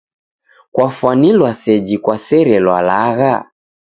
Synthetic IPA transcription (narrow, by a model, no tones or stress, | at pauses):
kwafwanilwasɛd͡ʒikwasɛɾɛlwalaɣa